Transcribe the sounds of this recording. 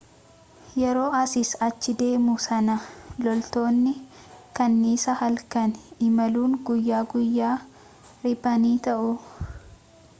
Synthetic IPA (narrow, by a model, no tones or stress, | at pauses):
jɛɾo̞ːʔɐsɪsɐt͡ʃːɪd̪e̞ːmʊsɐnɐlɔlt̪o̞ːnːɪkɐnːiːsɐhɐlkɐnɪmɐluːŋɡʊjːaːɡʊjːaː | ɾɪbɐniːt̪ɐʔʊ